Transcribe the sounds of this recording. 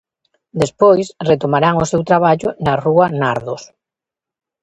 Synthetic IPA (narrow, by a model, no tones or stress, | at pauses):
d̪espojsret̪omaɾaŋosewt̪ɾaβ̞aʎʊnaruanaɾðos